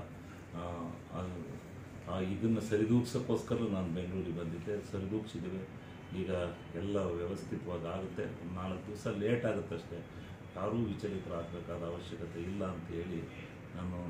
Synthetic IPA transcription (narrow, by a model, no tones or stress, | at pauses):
ɐd̪u | aid̪ɐnːɐsɐɾid̪uːksɐkːo̞ːskɐɾɐɐnaːnubeŋɡɭuːɾibɐnd̪id̪e̞sɐɾid̪uːksid̪iʋe | iːɡɐ | ɛlːɐʋjɛʋɐst̪ʰit̪ɐʋaːɡaːɡut̪ːe̞naːlɐkːd̪iʋɐsɐleːʈaːɡut̪ːɐʂʈe̞ | t̪aːɾuːʋit͡ʃɐɾit̪ɐɾaːɡ̚beːkaːd̪ɐːʋɐʃjɐkɐt̪e̞ilːɐːnt̪ɐɦe̞ːɭi | nanu